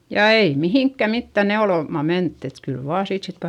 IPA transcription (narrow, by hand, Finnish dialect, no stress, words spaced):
jɑ ei mihiˑŋkːæ mitːæ neoloˑmɑ mentːy et kyl ʋɑː siːt sit